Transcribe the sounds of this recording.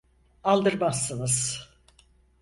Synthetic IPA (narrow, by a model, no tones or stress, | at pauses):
alˠd̪ɯɾmasːɯnɯz̥